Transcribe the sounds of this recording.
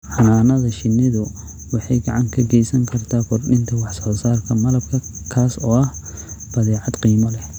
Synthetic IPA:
ħɑnaːnɐðɐʃɪnːɪðʊ | wɑħɑjɡɑʕɑŋkʰɐɡɛjsɐŋkʰɐrt̪ʰaːfʰʊrɗɪnt̪ʰɐwɑħsɔːsaːrkʰɐmɐlɐb̚kʰɐkʰaːsɔːɐhb̥ɐðɛːʕɑd̪qiːmɔlɛh

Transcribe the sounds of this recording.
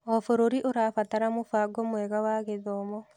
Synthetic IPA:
ɔfoɾoɾiʔoɾaːfataɾamofaɡɔmwɛɣawaːɣeðɔːmɔ

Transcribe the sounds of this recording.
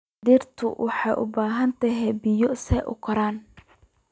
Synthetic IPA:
diːrt̪ʰʊ̰wʔɑ̰ħɑjʔʊ̰baːɦɐnt̪ʰɐɦɛbɪjɔsɛʔʊ̰kʰɔɾaːn

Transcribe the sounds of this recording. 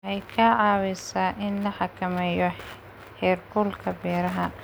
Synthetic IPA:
ʔɛjkʰaʕɑːwɪsaːʔɪnlɐħɑkʰɐmɛːjɔ | ħɛːrkulkʰɐbɛːɾɐɦɐ

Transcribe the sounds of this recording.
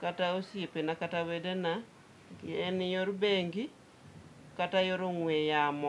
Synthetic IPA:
kataosjepenakataβedena | ɡiɛnɪjoɾubeŋɡi | katajoɾoŋwejamɔ

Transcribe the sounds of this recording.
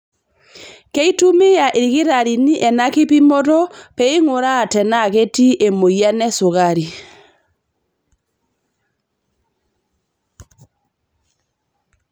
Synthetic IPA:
keitumejaʔeɾiɣeɾaɾiniʔɛnakipimɔtɔpeiŋoɾaːtɛnaɣetiʔemojanɛsoɣaɾi

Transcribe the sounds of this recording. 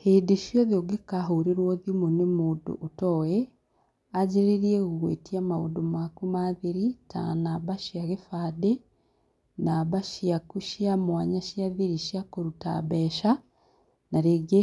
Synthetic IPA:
heːdeʃjɔðjoɡekaɦoɾeɾwɔðimonemoːdo̰ʔotɔwɛ | ad͡ʑeɾeɾieɣoɣwḛːtiamaodomakumaðiɾita̰naβaʃjaɣefaːde | naβaʃjakuʃjamwaɲaʃjaðiɾiʃjakoɾuta̰βɛʃa | naɾeɡe

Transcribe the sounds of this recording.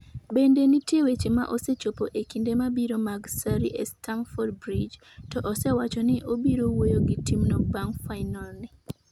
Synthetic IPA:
bendenitjewet͡ʃema̰ʔoset͡ʃopoʔekindemabiɾomaɡsaɾiʔestʰanfɔd̚bɾid͡ʒ | tɔʔɔsɛwat͡ʃɔnɪʔobiɾowojoɡitimnɔbaŋfaɪnɔlnɪ

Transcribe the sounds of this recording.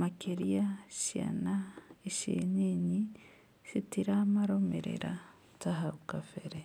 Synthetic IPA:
makeɾijaʃja̰naeʃḛniɲi | sitiɾaːmaɾo̞meɾḛɾa̰ | taɦaβukafeɾe

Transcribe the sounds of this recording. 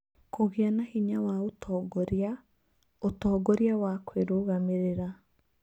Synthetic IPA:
koɣianahiɲawaotʰɔɡɔɾja | otɔːɡɔɾjawakweɾoɣameɾeɾa

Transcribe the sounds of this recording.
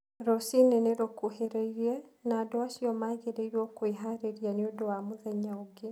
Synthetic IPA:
ɾɔsineneɾokuheɾeiɾɛnaːdɔasiɔmaɣeɾeiɾwɔkoeɦaɾeɾiaɲodowamuðɛɲaoɡi

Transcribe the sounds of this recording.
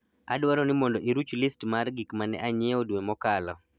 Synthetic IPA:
adwaɾɔnɪmɔndɔʔiɾut͡ʃlistmarɡikmanɛ̰ʔaɲɛodwemɔkalɔ

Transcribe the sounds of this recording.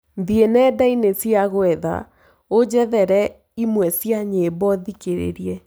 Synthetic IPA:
nðienɛːdainesjaɣwɛða̰ | od͡ʑɛðɛɾɛ | imwɛsjaɲebɔðikeɾḛɾiɛ

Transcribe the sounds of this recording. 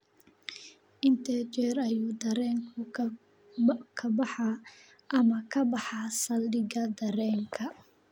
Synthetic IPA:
ʔɪnt̪ʰɛt͡ʃɛːɾɐjuːd̪ɐɾɛːŋkʰʊ | kʰɐbɑħɑ | ʔɐmɐkʰɐbɑħɑːsɐld̪ɪɣɐd̪ɐɾɛːŋkʰɐ

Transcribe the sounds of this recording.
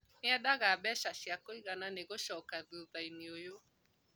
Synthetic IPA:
nɪɛdaɣabɛʃaʃiakoiɣananeɣoʃɔkaðuðainiojo

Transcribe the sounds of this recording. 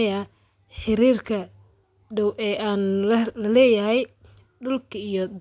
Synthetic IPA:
jɐ | ħɪɾiːrkʰɐ | ɖɔwʔɛːʔaːnlɐlɛːjɐɦɛj | ɖʊlkʰɐijɔd̪

